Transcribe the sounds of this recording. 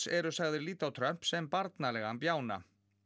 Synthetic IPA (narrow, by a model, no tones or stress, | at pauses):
ɛɾʏsaɣðɪɾliːt̪awt̪ʰɾœm̥psɛmpaɾt̪nalɛɣampjaːwna̰